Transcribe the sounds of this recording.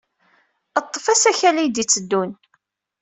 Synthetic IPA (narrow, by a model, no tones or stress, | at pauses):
ət̪ˤːfæsæçælijd̪it͡sːəd̪ːun